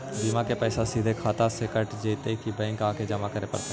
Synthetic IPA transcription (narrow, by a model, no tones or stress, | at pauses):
b̪imãkepɛːsasid̪ʱekʰaːt̪asekəʈd͡ʒeːt̪ekibɛ̃ːŋkãːked͡ʒəmakəɾepə̰ɾt̪e